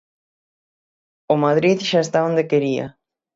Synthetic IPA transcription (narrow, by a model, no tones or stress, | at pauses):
omaðɾiðʃaest̪aond̪ekeɾia̰